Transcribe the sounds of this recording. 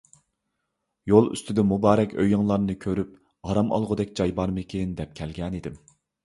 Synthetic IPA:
jolˠy̰st̪ʰɪd̪ɛmubɑːɾɛkʲø̰jɨŋlˠɑɾnɨkʲʰøɾyp̚ | ɑɾɑmʔɑ̰lˠʁʊd̪ɛkʲd͡ʒɑjbɑɾmɨkʲʰejind̪ɛp̚kʲʰɛlɡʲɛnid̪ɪm

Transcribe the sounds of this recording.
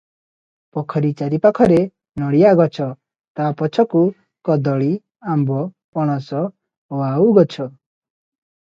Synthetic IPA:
pɔkʰɔɾit͡ʃaɾipakʰɔɾe | nɔɽijaɡɔt͡ʃʰɔ | t̪apɔt͡ʃʰɔku | kɔd̪ɔɭi | ambɔ | pɔɽ̃ɔsɔ | wauɡɔt͡ʃʰɔ

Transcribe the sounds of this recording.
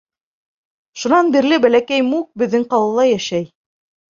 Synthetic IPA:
ʃunɑnbiɾlɘbælækæjmuk̚bɘ̆ðːɘŋqɑlˠɤ̆lˠɑjæʃæj

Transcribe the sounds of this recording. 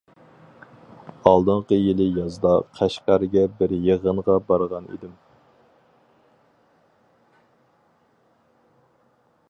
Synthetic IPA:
ɑlˠd̪ɨɴqəjɪlˠɪjɑzd̪ɑqʰæʃqɑɾɡʲɛbɪɾjeʁənʁɑbɑɾʁɑnḭd̪ɪm

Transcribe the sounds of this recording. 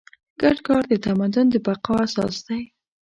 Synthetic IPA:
ɡ̥aɖkɑɾd̪ət̪amad̪ʊnd̪əbaqɑasɑ̰sd̪̥aj

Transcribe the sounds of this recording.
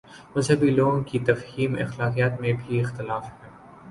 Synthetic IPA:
mɐzɦəbiloːɡõkit̪ɐfhiːmɪ̰xlaːqijət̪mẽbʱiɪxt̪ɪlaːfhɛː

